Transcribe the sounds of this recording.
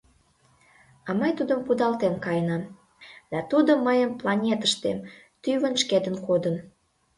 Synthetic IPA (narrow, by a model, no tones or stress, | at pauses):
ɑməjt̪ud̪əmpud̪ɑlt̪enkɑjənɑm | d̪̥ɑt̪ud̪omːəjəmplɑnʲet̪əʃt̪em | t̪yβənʃked̪ənkod̪ən